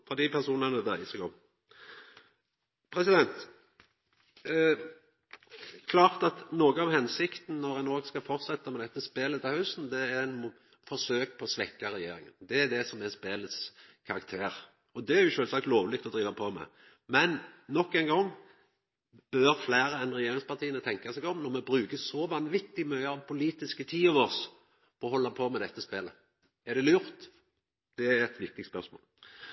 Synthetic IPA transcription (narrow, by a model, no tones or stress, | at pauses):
fɔd̪ipʰæʁsuːnənəd̪æɪsɛɡɔm | pʰɾɛsɪd̪ɛnt̪ | kʰlɑːʁt̪ɑt̪noːɡəɑʋhɛnsɪkt̪n̩nɔɾɛnoːɡskɑfɔʁt̪sɛt̪ːɑmɛd̪ɛt̪ːəspeːlət̪ʰɛhœʉsn̩d̪ɛæɾɛnm | fɔsøːkpʰɔsʋɛkːɑɾɛjeːɾɪŋə̰nd̪ɛːd̪ɛsɔmɛspeːlət̪skʰɑɾɑkt̪ʰeːɾ | ɔd̪ɛæɾjʊʃøːlsɑk̚t̪loːʋlɪk̚t̪ɔd̪ɾiːʋɑpʰoːmɛ̰ | mɛnːɔkːɛɪŋɡɔŋː | b̥œɾflæːɾəɛnɾɛjeːɾɪŋspɑʁt̪ʰiːənət̪ʰɛŋkɑsɛɡɔmnɔɾmɛbɾʉːɡəsɔʋɑnʋɪt̪ːɪmœʏɑɑʋpʰʊliːt̪ɪskət̪ʰiːɔʋɔs | ɔːɦɔlːɑpʰoːmɛd̪ɛt̪ːəspeːlə | ɛd̪ɛlʉːɾt̪ | d̪̥ɛæɾɛt̪ʋɪk̚t̪ɪk̚t̪spœʁsmo̰ːl